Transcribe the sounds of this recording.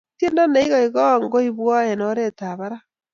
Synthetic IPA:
tje˦nda˦na˦i˦ɣɔ˨i˨ɣɔ˦ŋɡo˦iβwɔ˦ɛ˨no˦ɾeta˨βa˦ɾa˦

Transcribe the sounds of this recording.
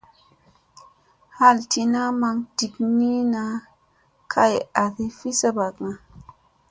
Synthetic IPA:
ha˦˨lti˧na˦ma˧ŋd̥i˨kni˦na˦ | kʰa˦ja˨θi˦fi˦sa˦ba˨kŋa˨

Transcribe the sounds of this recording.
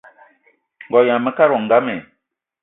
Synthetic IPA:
ŋ̩˨ɡɔ˨jã˨mə˦ka˦ɾɔ˨ŋ˨ɡa˦mɛ˨

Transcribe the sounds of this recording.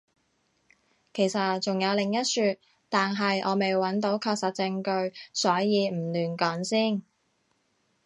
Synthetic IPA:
kʰe˨˩jsɐ˨t̚t͡sʊ˨ŋjɐ˨˧wlɪ˨ŋjɐ˥t̚syː˧t̪̚ | t̪aː˨nɦɐ˨jʔɔː˨˧me˨jwɐ˨˥nt̪o˨˥wkʰɔː˧k̚sɐ˨t̚t͡sɪ˧ŋkɵ˧ɥsɔː˨˥jiː˨˧m̩˨˩lyː˨˩nkɔː˨˥nsiː˥˩n

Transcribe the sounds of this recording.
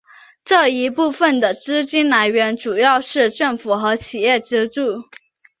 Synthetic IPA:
ʈ͡ʂɤ˥˩i˧˥pu˥˩fə˩nd̪ə˩ʈ͡ʂɻ̩˥t͡ɕi˥nla˧˥ɪɥɛ˧˥nʈ͡ʂu˨˩jɑ˥˧ʊʂɻ̩˥˧ʈ͡ʂɤ˥˩ŋfu˨˩xɤ˧˥t͡ɕʰi˨˩jɛ˥˩ʈ͡ʂɻ̩˥ʈ͡ʂu˥˩

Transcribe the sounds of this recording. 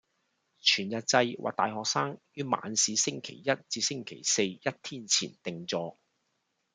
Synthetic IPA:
t͡ʃʰyː˨˩njɐ˨t̚t͡sɐ˧jwʔa̰˨k̚t̪aː˨jhɔː˨k̚saː˥ŋjyː˥ma̰ː˨˥nsiː˨˧sɪ˥ŋkʰe˨˩jjɐ˥t̚t͡siː˧sɪ˥ŋkʰe˨˩jse˧jjɐ˥t̚t̪ʰiː˥nt͡sʰḭː˨˩nt̪ɪ˨ŋt͡sɔː˧k

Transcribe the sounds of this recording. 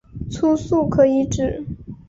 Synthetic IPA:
t͡sʰu˥su˥˩kʰɤ˧˥i˧˥ʈ͡ʂɻ̩˥˩

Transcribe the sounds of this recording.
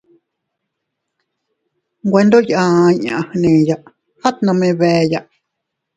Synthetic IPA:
ɡʷwe˧˦nd̪o˦ʔjʔã˧ɲã̰˨hnẽ˨ja˧˨ʔ | ha˦t̪nə̃˧mẽ˧βɛː˧˨ja˧˨ʔ

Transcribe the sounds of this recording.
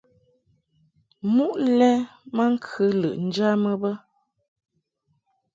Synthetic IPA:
mu˦ʔlɛ˦ma˦ŋ̩˦kʰɨ˦lɨ̰˨ʔn̩˦d͡ʒa˦mə˦bə˦

